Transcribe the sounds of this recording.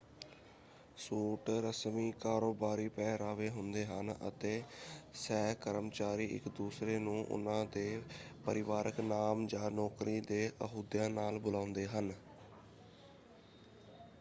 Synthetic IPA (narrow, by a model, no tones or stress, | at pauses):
suːʈɾəsmiːkaːɾoːbaːɾiːpɛ̃ːɾaːʋeːɦʊnd̪eːɦənə̰t̪eːsɛːkəɾəmt͡ʃaːɾiːʔɪ̰kd̪uːsɾeːnũːʔʊ̰nãːd̪eːpəɾɪʋaːɾəknaːmd͡ʒãːnɔːkɾiːd̪eːʔəɦuːd̪jãːnaːlbʊlãːʊ̃nd̪eːɦən